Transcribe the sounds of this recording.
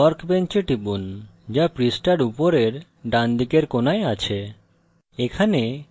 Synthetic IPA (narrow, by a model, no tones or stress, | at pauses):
ɔɾkbent͡ɕeʈibund͡ʑapɾisʈaɾupoɾeɾ | ɖand̪ʱikeɾkonaeat͡ɕʰe | ekʰane